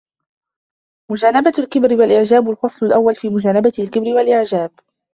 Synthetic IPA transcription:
mʊd͡ʒaːnabalkɪbɾɪwalʔɪʕd͡ʒaːbalxɑsˤlʊlʔawːalfiːmʊd͡ʒaːnabaɪlkɪbɾɪwalʔɪʕd͡ʒaːb̚

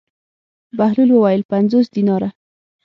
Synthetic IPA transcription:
bahlulwawɑjɪlpanzosd̪inɑɾa

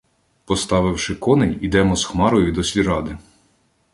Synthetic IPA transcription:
pɔst̪ɑʋɪwʃɪkɔnenʲid̪ɛmɔzxmɑɾɔjʊid̪ɔsʲlʲiɾɑd̪ɪ

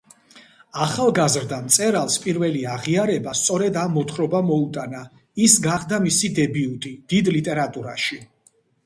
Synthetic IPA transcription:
aχalˠɡazɾd̪amt̪sʼɛɾalˠspʼiɾvɛliaʁiaɾɛbast̪sʼɔɾɛd̪amːɔt̪ʰχɾɔbamɔut̪ʼana | isɡaχd̪amisid̪ɛbiut̪ʼid̪̥id̪lit̪ʼɛɾat̪ʼuɾaʃi

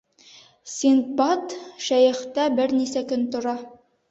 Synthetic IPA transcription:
sʲint̪̚bɑt̪ʃæjɘ̆χt̪æbɘɾnisækɵnt̪ŏɾɑ

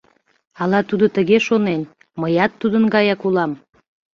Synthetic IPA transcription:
ɑlɑt̪ud̪ot̪əɣeʃonen | məjɑt̪ːud̪ənɡɑjɑkulɑm

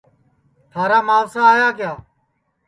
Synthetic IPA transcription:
t̪ʰaːɾaːmaːlsaːaːjaːkɪjaː

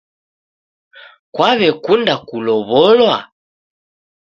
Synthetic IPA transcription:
kwaβɛkundakulɔβɔlwa

